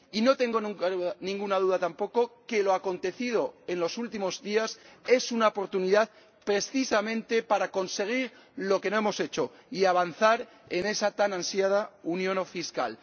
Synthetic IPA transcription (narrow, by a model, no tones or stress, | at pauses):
ino̞t̪e̞ŋɡo̞nũŋkauanĩŋɡunað̞uð̞at̪ampo̞ko̞ke̞lo̞ako̞nt̪e̞θið̞o̞e̞nlo̞sult̪imo̞zðiase̞sunaopo̞ɾt̪uniðað | pɾe̞sθisamẽ̞nt̪e̞paɾako̞nse̞ɣ̞iɾ | lo̞ke̞no̞e̞mo̞se̞t͡ʃo̞ | iaβ̞anθaɾ | e̞ne̞sat̪anãnsjað̞aunjõ̞nofiska̰l